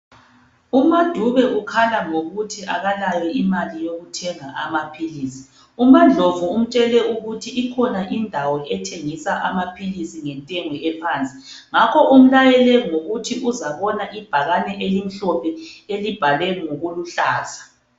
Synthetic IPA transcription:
umad̥ʱuβɛʔukʰalaŋoɣutʰiaɣalajɛimalijoɣutʰɛŋaʔamapʰiliːsi̥ | umand͡ɮʱovuum̩t͡ʃʼɛlɛuɣutʰiːkʰɔnaʔindʱawɔʔɛtʰeŋisaʔamapʰilisiŋɛntʼɛŋwɛɛpʰaːnt͡sʼi | ŋakʰɔʔum̩lajɛlɛŋoɣutʰiʔuzaβɔnaʔib̥ʱaɣanɛʔelim̩ɬɔpʰɛelib̥ʱalɛŋoɣuluɬaːzḁ

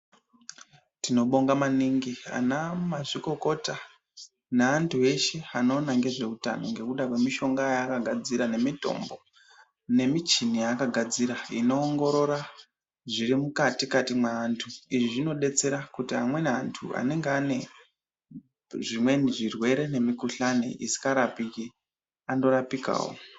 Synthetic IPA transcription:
tino̞ɓo̞ŋɡamaniŋɡia̰namaʐiko̞ko̞ta | naːntʰue̞ʃe̞ano̞naŋɡe̞ʐe̞uta̰no̞ŋɡe̞kuɗakwe̞miʃo̞ŋɡajaːkaɡʱad͡ziɾane̞mito̞̰mbo̞ | ne̞mit͡ʃinijakaɡʱad͡ziɾaino̞ːŋɡo̞ɾo̞ɾa | ʐiɾimukatikatimwaːntʰuiʐiʐino̞ɗe̞t͡se̞ɾakutiamwe̞neantʰṵa̰ne̞ŋɡeane̞ | ʐimwe̞niʐirwe̞ɾe̞ne̞mikuɬanḛʔisi̥kaɾapiki | ando̞ɾapika̰ːwo̰

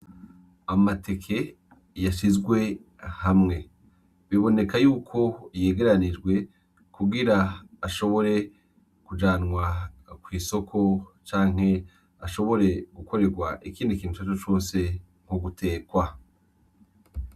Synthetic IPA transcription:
amatʰe̞kʰe̞ | jaʃizɡwe̞ | hamŋe̞ | βiβo̞ne̞kajuːkʰo̞je̞ːɡe̞ɾanid͡ʒɡwe̞ | kuɡiɾaːʃo̞βo̞ɾe̞ | kud͡ʒaːnŋwakwiːso̞kʰo̞t͡ʃaːŋ̥he̞ | aʃo̞βo̞ɾe̞ɡ̥ukʰo̞ɾe̞ɡwaʔikiːndikiːntu̥at͡ʃot͡ʃo̞ːnse̞ | ŋ̥uɡutʰe̞ːkwa

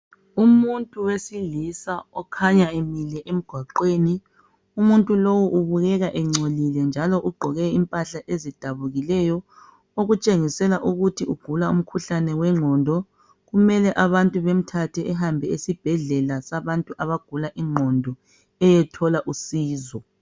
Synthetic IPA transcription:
umuntʼuwesilisaɔkʰaɲaemilɛʔem̩ɡ̥ʱwaǃweːni | umuntʼulowuʔuβuɣɛɣaʔɛŋ͡ǀʱolilɛnd͡ʒʱalɔʔuɡ͡ǃʱɔɣɛimpʼaɬaʔezid̥ʱaβuɣilɛjɔ | oɣut͡ʃʼeŋisɛlaʔuɣutʰiuɡ̥ʱulaum̩kʰuɬanɛwɛŋ͡ǁʱɔndʱɔ | ɣumɛlɛʔaβantʼuβem̩tʰatʰɛɛɦambʱɛisib̥ʱɛɮɛlasaβantʼuʔaβaɡ̥ʱulaʔiŋ͡ǃʱɔndʱɔ | ɛjɛtʰɔlaʔusiːzɔ

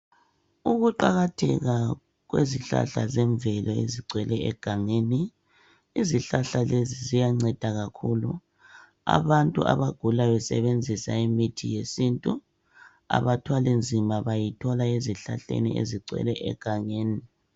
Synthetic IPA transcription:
uɣuǃaɣatʰɛ̰ɣa | ɣweziɬa̰ɬa̰zɛɱvɛlɔḛziǀwɛlɛɛɡ̥ʱaŋeni | iziɬaɬalezizijaŋ͡ǀɛd̥ʱaɣakʰulu | a̰βantʼuʔa̰βaɡ̥ʱulaβɛsɛ̰βend͡zʱisaimitʰijesintʼu | a̰βatʰwalind͡zʱimaβajitʰɔlaeziɬaɬḛnḭḛziǀɛ̰lɛʔɛ̰ɡ̥ʱaŋeːni

